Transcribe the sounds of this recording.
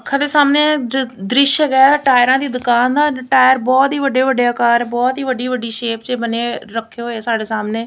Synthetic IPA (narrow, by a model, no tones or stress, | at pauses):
əkʰːãːd̪eːsaːmneːd̪ɾɪʃəɡɛːʈaːjɪɾãːd̪iːd̪ʊkaːnd̪aːʈaːjəɾbɔːt̪ɦiːʋəɖeːʋəɖeəkaːɾɛbɔːt̪ɦiːʋəɖiːʋəɖiːʃeːpt͡ʃebəneːɾəkʰːeɦoːeːsaːɖeːsaːmneː